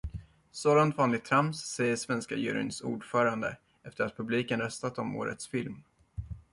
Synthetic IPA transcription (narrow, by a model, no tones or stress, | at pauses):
soːd̪ant̪fanːɪt̪ʰɾamsːeːəsvɛnska̰jʉ̰ɾɪ̰nsṵːɖfœːɾand̪ə | ɛft̪əɾat̪̚pʰɵbliːkənɾœst̪at̪ɔmo̰ːɾə̰t̪sfɪlm